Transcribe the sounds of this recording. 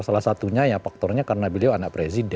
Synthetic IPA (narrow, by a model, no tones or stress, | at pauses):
salahsat̪uɲajaŋfak̚t̪ɔrɲakarənabiliaoanak̚pɾesidɛ